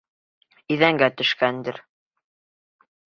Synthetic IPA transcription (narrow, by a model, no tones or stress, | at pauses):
iðæŋɡæt̪ɵ̆ʃkænd̪ɘɾ